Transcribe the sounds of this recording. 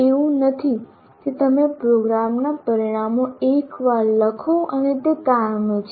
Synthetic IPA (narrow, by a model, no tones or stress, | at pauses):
eʋũnət̪ʰi | ket̪əmepɾoɡɾamnapəɾiɽ̃amoekʋaɾːəkʰoənet̪ek̪aɾmet͡ʃʰ